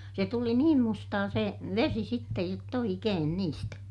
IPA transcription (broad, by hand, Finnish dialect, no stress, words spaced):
se tuli niːm mustɑː se ʋesi sitːej jotː oikeːn niːstæ